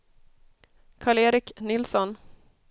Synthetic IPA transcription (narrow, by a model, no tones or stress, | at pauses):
kʰaːɭeːɾɪknɪlsɔn